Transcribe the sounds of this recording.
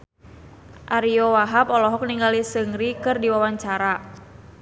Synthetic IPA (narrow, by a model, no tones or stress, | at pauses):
ʔaɾiɔwaɦapɔlɔɦɔk̚niŋɡalisəŋɾikɨrdiwawaɲt͡ʃaɾa